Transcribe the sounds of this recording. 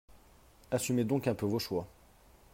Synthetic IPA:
asymed̪ɔ̃kɛ̃pøvoʃwa

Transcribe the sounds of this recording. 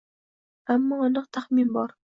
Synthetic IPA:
amːɒɒnɨqt̪ʰaχminbɒɾ

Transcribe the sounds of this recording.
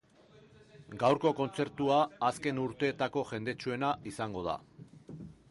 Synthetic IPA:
ɡawɾko̞ko̞nt͡se̞ɾt̪uaːske̞nuɾt̪e̞ːt̪ako̞ʝe̞nd̪e̞t͡ʃue̞naʔisaŋɡo̞ð̞a̰

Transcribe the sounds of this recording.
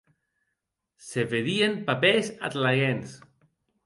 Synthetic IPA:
seβeðiempapesa̰t̪laɣens

